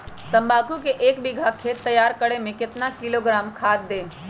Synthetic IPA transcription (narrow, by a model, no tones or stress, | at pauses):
t̪ɐ̃mbaːkukeʔeːkbɪɡʱakʰːeːt̪ːɐjaːɾkɐɽemẽkɪt̪nakɪloːɡɾaːmkʰaːt̪d̪eː